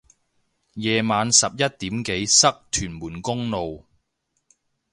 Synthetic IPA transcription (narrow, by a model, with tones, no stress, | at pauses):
jɛː˨maː˨˧nsɐ˨p̚jɐ˥t̚t̪iː˨˥mke˨˥jsɐ˥k̚t̪ʰyː˨˩nmuː˨˩nkʊ˥ŋlo˨w